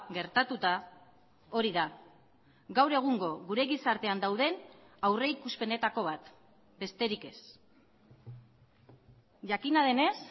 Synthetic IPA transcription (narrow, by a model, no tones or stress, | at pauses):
ɡe̞ɾt̪at̪ut̪a | o̞ɾiða | ɡawɾe̞ɣ̞uŋɡo̞ɣuɾe̞ɣisaɾt̪e̞and̪awð̞e̞nawre̞ikuspe̞ne̞t̪ako̞β̞at̪ | be̞st̪e̞ɾike̞s | ʝakinaðe̞ne̞s